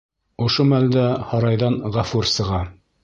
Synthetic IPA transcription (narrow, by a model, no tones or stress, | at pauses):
ŏʃomæld̪æhɑɾɑjðɑnʁæfuɾsɤ̆ʁɑ